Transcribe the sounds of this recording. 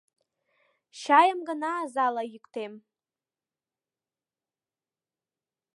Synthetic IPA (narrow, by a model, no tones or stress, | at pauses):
ʃajamɡanaːzalajikʷʼtʰejm